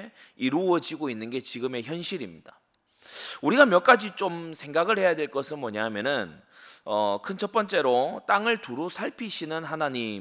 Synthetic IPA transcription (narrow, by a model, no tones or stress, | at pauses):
iɾuʌd͡ʑiɡoinːɯnɡe̞t͡ɕiɡɯme̞çjʌnɕʰiɾimɲid̥a | uɾiɡamjʌk͈ad͡ʑit͡ɕ͈omsʰe̞ŋɡaɡɯɭhe̞jadwe̞ɭk͈ʌsʰɯnmʌɲaɦmjʌnɯn | ʌkʰɯnt͡ɕʰʌp͈ʌnt͡ɕ͈e̞ɾot͈aŋɯɭtuɾusʰaɭpʰiɕʰinɯnɦanaɲi